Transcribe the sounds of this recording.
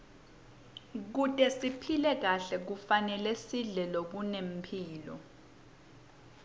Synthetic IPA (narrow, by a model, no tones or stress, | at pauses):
k̬utʼɛsipʰilɛk̬aɬɛk̬ufanɛlɛsiɮɛlok̬unem̩pʰiːlɔ̰